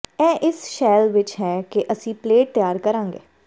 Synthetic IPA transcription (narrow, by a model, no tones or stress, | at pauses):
ɛːʔɪsʃɛːlʋɪt͡ʃɦɛːkeʔəsĩːpleːʈ̚t̪jaːɾkəɾãːŋɡḛː